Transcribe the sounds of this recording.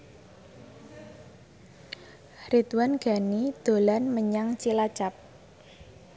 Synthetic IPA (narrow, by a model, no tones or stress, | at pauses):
hɾit̪wanɡ̥a̤nid̪̥o̤lanməɲaŋt͡ʃilat͡ʃap̚